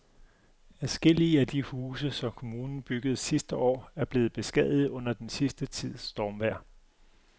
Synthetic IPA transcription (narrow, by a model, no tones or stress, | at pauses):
æsɡ̥e̝l̰iəæd̥ihuːsəsɒ̽mkʰo̝muːnn̩b̥yɡ̥ð̞̩ˠsisd̥əɒ̰ːæɐb̥le̝ːð̩ˠb̥e̝sɡ̥ɛð̰ˠð̩ˠɔ̽n̰ɐd̥ensisd̥ət͡sʰið̞̰ˠsd̥ɒːmʋæɐ̰